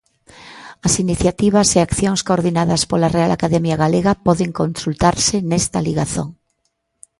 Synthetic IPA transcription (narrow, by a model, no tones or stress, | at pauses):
ɐsiniθjat̪iβ̞ɐseakθjõŋskoɾðinaðɐspolarealʔakaðɛmjaɣaleɣapɔðeŋkõnsult̪aɾsenɛst̪ɐliɣaθoŋ